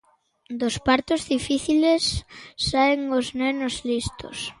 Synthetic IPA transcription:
d̪ospaɾt̪ozðifiθilesːaeŋoznɛnozlist̪o̰s

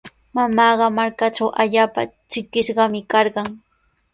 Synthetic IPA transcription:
mamɑːɢɑmaɾkaʈ͡ʂawʔaʎaːpa̰t͡ʃɪkɪʃɢɑmɪkɑɾɢɑŋ

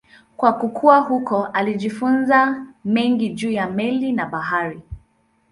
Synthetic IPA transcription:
kwakukʰuahukɔʔaliʄifunzamɛŋɡiʄuːjamɛlinaɓaɦaɾi

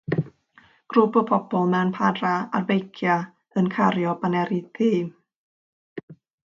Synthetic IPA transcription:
ɡ̥ɾupɔpʰɔpɔlˠmɛnpʰadraa̰rvejkʰja | ənkʰaɾjɔbanɛɾitʰiː

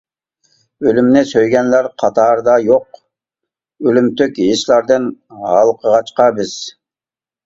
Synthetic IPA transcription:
ølymnesøjɡʲænlæɾqʰɑt̪ɑɾd̪ɑjoq | ølymt̪økiiʃlæɾd̪ɯnhɑlˠqʰəʁɑt͡ʃqɑbiz̥

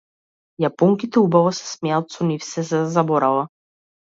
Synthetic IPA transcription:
japɔŋkit̪ɛubavɔsɛ̥smɛat̪sɔnifsɛzad̪azabɔɾalˠa

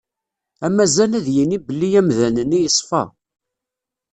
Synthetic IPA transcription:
æmæzænæðjinibəlːijæmðænənːijəsˤfɑ̰

